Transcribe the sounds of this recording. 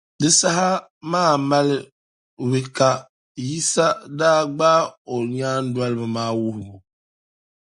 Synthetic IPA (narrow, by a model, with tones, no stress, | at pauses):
dɨ˦sa˦ɦa˦ | maː˦˨ma˦l | wɨ˦ka˨ | ji˦sa˦daː˦ɡ͡baː˦o˨ɲaː˦n˦da˦lɨ˦bɨ˨maː˦wu˦hʊ˨bu˨